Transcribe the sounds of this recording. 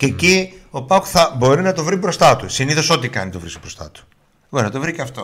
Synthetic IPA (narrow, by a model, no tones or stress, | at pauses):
cecio̞pɐkθɐbo̞ɾinɐt̪o̞vɾibɾo̞st̪ɐt̪usiniθoso̞t̪ikɐ̰nit̪ovɾisbɾost̪ɐ̰t̪u̥ | bo̞ɾinɐt̪ovɾiceɐft̪o̞